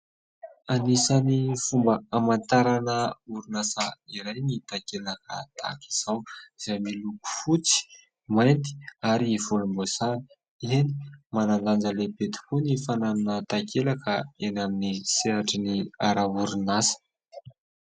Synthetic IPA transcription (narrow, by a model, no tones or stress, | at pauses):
anisanifumbəamant̪aɾanəuɾunasaiɾajnit̪akelakə̰t̪ʰa̰ki̥z̥awiz̥ajmiluku̥fut͡si̥ | majnt̪i̥aɾiv̥ulumbosa | eni̥manand̪and͡zəlebet̪i̥kunifananunət̪akʰelakəenaminiseɾaʈ͡ʂiniaɾauɾunasə̥